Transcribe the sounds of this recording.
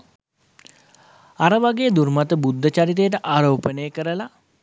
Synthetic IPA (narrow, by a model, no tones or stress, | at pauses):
aɾəʋaɡeːd̪uɾmat̪əbud̪ʱːət͡ʃaɾit̪̬ejəʈ̬əʔaːɾoːpənəjəkəɾəla